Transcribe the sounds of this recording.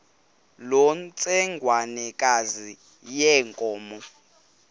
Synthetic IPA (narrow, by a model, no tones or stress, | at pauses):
lɔnt͡sʼɛŋɡʱwanɛkʼazi | jɛːŋkʼɔːmɔ